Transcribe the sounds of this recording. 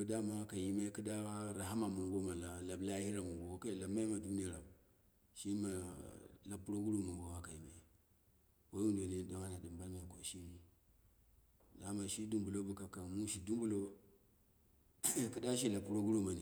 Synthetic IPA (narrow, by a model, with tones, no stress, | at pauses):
o˦da˦ma˦ka˨ji˦ma˦ki˦da˦wa˦ɾa˨ɦa˦ma˨mu˨ŋɡo˦ma˨la˨la˨bla˦hi˦ɾa˨mu˨ŋɡo˨˦ka˦˨la˨ma˦i˦ma˨du˦ni˦ja˨ɾa˨b | ʃi˦ma˨la˨pːu˦ɾo˦ɡu˦ɾu˦˨mu˨ŋɡo˨wa˦ka˨ji˨ma̰˨ | wa˦wu˦ndo˨ne˦da˨˦ŋa˦na˨di˨mba˦lma˨ko˨ʃi˦ni˦ | da˦ma˨ʃi˦du˦mbu˨lo˦bu˨ka˨ka˨mu˦ʃi˨du˦mbu˦lo˦ | ku˦da˦ʃ̬i˦la˨pːu˦ɾo˦ɡu˦ɾo˦ma˨ni˨